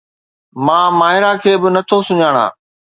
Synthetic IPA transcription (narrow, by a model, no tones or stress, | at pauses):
mãːmaːɦɪɾakʰeːbɪnɐt̪ʰosʊɲaːɽ̃a̰ː